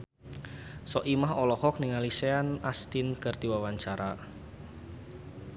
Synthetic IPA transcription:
sɔʔimahɔlɔhɔk̚niŋaliseanast̪inkərt̪iwawaɲt͡ʃaɾa

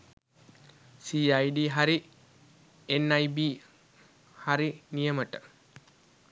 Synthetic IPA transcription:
siːajɖiːɦaɾi | enːajbiː | haɾinijəməʈə

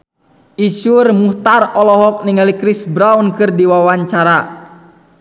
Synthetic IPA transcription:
isurmuht̪arɔlɔɦɔk̚niŋalikɾisbɾawnkɨrdiwawaɲt͡ʃaɾa

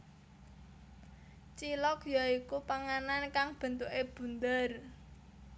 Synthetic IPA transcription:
t͡ʃilɔkjɔikupaŋanankaŋb̥ə̤nt̪ukeb̥ṳnd̪ər

